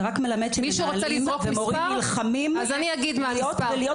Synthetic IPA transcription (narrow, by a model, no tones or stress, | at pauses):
ʁakme̞lamed̪ʃemiʃuʁolɛlimovemoʁiamilχamimazaniaɡid̪maijot̪velijo